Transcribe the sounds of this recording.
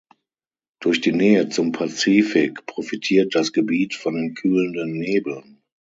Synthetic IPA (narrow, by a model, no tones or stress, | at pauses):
d̥ʊɐçd̥iːnɛːət͡sʊmpʰat͡siːfɪkpʁ̥ofitʰiːɐt̚d̥asɡ̥əbiːtfɔndeːnkʰyːləndənːeːbl̩n